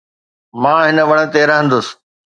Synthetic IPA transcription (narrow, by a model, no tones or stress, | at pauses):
mãːɦɪnə̆ʋɐɽ̃ə̆t̪eːɾəɦə̃n̆d̪ʊs̆